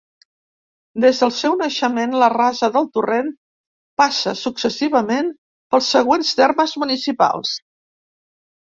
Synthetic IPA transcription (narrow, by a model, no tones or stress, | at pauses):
d̪ezðəlˠsɛwnəʃəmenlərazəðəlˠt̪uren | pasəsuksəsiβ̞əmen | pəlˠsːəɣ̞wenst̪erməzmunisipa̰lˠs